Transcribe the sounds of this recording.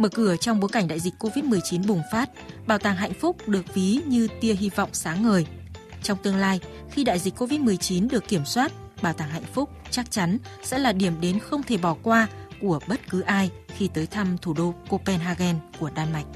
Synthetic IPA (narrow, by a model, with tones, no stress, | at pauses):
məː˧˩kɨ˧˩ət͡ɕɔ˧wŋ͡mɓo˨˦jka˧˩jŋ̟ɗa̰ː˧˨jzï˨˩k̟̚ʲko˧vi˦˥t̚mɨ˨˩əjt͡ɕi˨˦nɓʊ˨˩ŋ͡mfaː˦˥t̚ɓaː˨˧˩wt̪aː˧˩ŋɦa̰˧˨jŋ̟fʊ˦˥k͡p̚ɗɨ˨˩ək̚vi˨˦ɲɨ˧t̪i˧əɦi˧vɔ̰˧˨wŋ͡msaː˨˦ŋːəː˨˩j | t͡ɕɔ˧wŋ͡mt̪ɨ˧əŋlaː˧j | xi˧ɗa̰ː˧˨jzi˨˩k̟ko˧vi˦˥t̚mɨ˨˩əjt͡ɕi˨˦nɗɨ˨˩əkːi˧˩əmswaː˦˥t̚ | ɓaː˨˩wt̪aː˧˩ŋɦa̰˧˨jŋ̟fʊ˦˥k͡p̚t͡ɕa˦˥k̚t͡ɕa˨˦nsɛ̰˧˥laː˨˩ɗi˧˩əmɗe˨˦nxə˧wŋ͡mt̪ʰe˧˩ɓɔ˧˩kwaː˧ku˧˩əɓə˦˥t̚kɨ˨˦ʔaː˧j | xi˧t̪əː˨˦jt̪ʰa˧mt̪ʰu˧˩ɗo˧ko˧pɛ˧nɦaː˧ɣɛ˧nku˧˩əɗaː˧nma˨˩jk̟̚